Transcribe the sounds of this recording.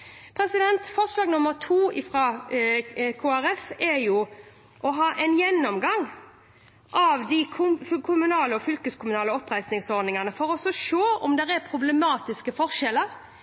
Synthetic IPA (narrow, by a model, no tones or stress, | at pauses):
pʰɾɛsɪd̪ɛnt̪fɔʁʂlɑːɡnʊmːəɾt̪ʰuːɪfɾɑː | kʰoːæɾɛfɛɾjʊ | ʔɔɦɑːʔɛɪnjɛnːɔmɡɑŋː | ʔɑʋd̪ɪkʰʊkʰʊmʉnɑːləɔfʏlkəskʊmʉnɑːləɔpːɾæɪsnɪŋsɔɾd̪nɪŋɑnəfɔɾɔsɔʂoːɔ̰md̪ɛɾɛpʰɾʊblɛmɑːt̪ɪskəfɔʁʂɛləɾ